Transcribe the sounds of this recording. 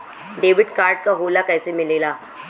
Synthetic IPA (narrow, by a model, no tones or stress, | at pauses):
ɖeːʋɪɖkaːɾɖ̚kaɦoːlakɛːsemɪleːlaː